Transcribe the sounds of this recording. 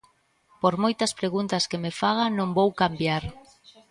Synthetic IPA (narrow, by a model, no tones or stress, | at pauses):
poɾmojt̪ɐspɾeɣunt̪askemefaɣanõŋbowkambjaɾ